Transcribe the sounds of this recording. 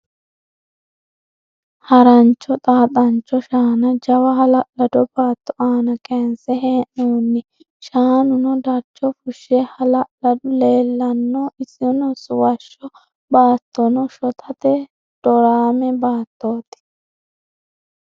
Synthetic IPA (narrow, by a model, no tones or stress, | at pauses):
hɐɾɐnt͡ʃːɔt̪ʼaːt̪ʼɐnt͡ʃːɔʃaːnɐd͡ʒɐwɐɦɐlɐʔlɐd̪ɔbaːt̪ːɔʔaːnɐkʼɛnsɛɦeːʔoːnːɪ | ʃaːnʊnɔd̪ɐɾt͡ʃːɔfʊʃːɛhɐlɐʔlɐdʊle̞ːlːɐnːɔɪsɪnɔsʊwɐʃːɔ | baːt̪ʰːɔnɔʃɔt̪ʰɐt̪ɛ | d̪̥ɔɾaːmɛbaːt̪ːoːt̪ɪ̥